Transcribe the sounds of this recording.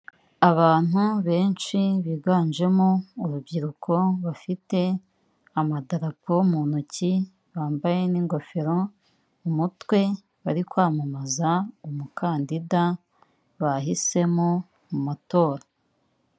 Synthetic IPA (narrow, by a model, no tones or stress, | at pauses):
aβaːn̥uβe̞ːnʃiβiɡaːnʒe̞mouɾubɟiɾukʰo̞βafite̞ | amadaɾapʰomunuci | βaːmbaje̞niːŋɡo̞fe̞ɾo | umutwe̞ | βaɾikwaːmamazaumukʰaːndida | βahise̞mo | mumato̞ːɾa